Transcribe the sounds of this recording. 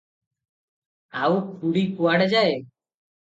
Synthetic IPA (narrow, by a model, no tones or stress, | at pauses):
aupʰuɽikuaɽd͡ʒae